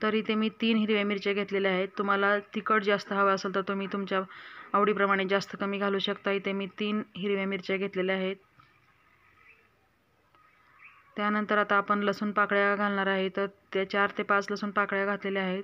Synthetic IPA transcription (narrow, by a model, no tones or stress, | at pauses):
t̪əɾiːt̪emiːt̪iːnɦiɾʋjamiɾt͡ɕaɡʱet̪leleaɦet̪ːum̤alat̪ikəʈd͡zast̪əɦəʋəəsəlt̪əɾt̪umiːt̪umt͡ɕjaaʋɽiːpɾəmaɽ̃ed͡zast̪əkəmiːɡʱaluːɕəkt̪aɦiːt̪emiːt̪iːnɦiɾʋjamiɾt͡ɕaɡʱet̪leleaɦet̪ | janənt̪əɾat̪aːpəɳləsuːnpakɽjaɡʱalɳaɾaɦet̪əɾt̪jat͡ɕaɾt̪epat͡sləsuːnpakɽjaɡʱat̪leleaɦet̪